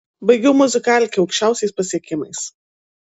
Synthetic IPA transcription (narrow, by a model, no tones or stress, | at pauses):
bɐɪɡʲɛʊmʊzʲɪkɑːlʲkʲɪɐʊkʃʲt͡ʃʲæˑʊsʲɛɪspɐsʲiɛkʲɪmɐɪs